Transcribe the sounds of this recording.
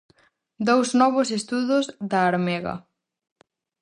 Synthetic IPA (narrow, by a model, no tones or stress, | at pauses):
d̪owznɔβ̞ʊsest̪uðʊzðaːɾmɛɣɐ̰